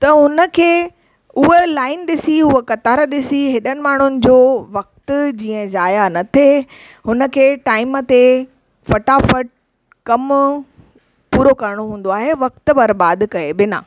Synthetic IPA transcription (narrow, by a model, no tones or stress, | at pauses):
t̪ɐɦʊnə̆kʰeː | ʊɦelaːɪnɗɪsiʊɦekɐt̪aːɾəɗɪsiɦɪɗənɪ̆maːɳ̤ʊnɪ̆d͡ʑoːʋɐk̚t̪ʊd͡ʑiːə̃zaːjanɐt̪ʰe | ɦʊnə̆kʰeːʈaːɪmət̪e | fɐʈafɐʈ̚ | kɐm | puːɾokɐɾɪɽ̃oɦũːn̆d̪oaːɦeʋɐk̚t̪ʊ̆bɐɾbaːd̪kɐeɓɪna̰ː